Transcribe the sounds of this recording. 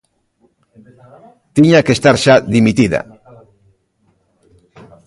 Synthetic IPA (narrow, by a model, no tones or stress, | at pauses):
t̪iɲakest̪aɾʃaðimit̪iða̰